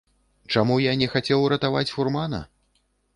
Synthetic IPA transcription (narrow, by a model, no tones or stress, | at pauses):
t͡ʂamujanʲɛxat͡sʲɛwɾɐt̪avat͡sʲfurmanɐ̰